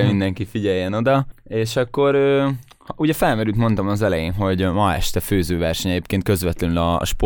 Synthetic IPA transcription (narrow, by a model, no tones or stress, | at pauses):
mind̪ɛŋkifiɟɛjːɛno̞d̪ɒeːʃɒkːo̞ɾøː | hɒuɟɛfɛlmɛɾylt̪mo̞nt̪ɒmɒzɛlɛjeːnɦo̞ɟmɒɛ̰ʃt̪ɛføːzøːvɛrʃɛɲɛɟeːpkeːnkø̞zʋɛt̪lɛnylɒ̰ːʃp